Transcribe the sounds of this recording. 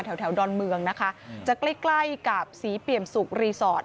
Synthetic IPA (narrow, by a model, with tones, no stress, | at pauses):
t̪ʰɛ˩˦wt̪ʰɛ˩˦wdɔː˧nmɯ˧əŋna˦˥kʰa˦˥t͡ɕa˨˩kla˥˩jkla˥˩jka˨˩p̚siː˩˦pi˨˩əmsu˨˩k̚ɾiː˧sɔː˨˩t̪̚